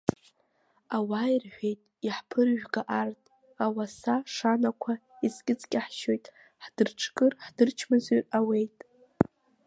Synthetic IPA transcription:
awaːjrħʷᶣe̞jtʼiħpʰɨrʒᶣɡaʔartʼ | awasaʂanakʷʰaiskʲʼɪt͡sʼkʲʼɪħʃo̞jtʼ | ħd̥ɨrʈ͡ʂʰkʼɨrħd̥ɨrt͡ʃʰmɨzerawe̞jtʼ

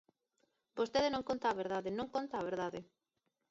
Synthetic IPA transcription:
bost̪eðɪnõŋkont̪aːβeɾðaðɪnõŋkont̪aːβ̞eɾðaðɪ

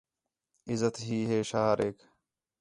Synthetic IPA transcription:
ɪzət̪ɦiːɦeːʃaːɾeːk

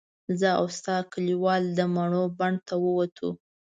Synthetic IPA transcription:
zəa̰wst̪ɑkəliwɑld̪əmaɳobaɳt̪awəwat̪ʰṵ

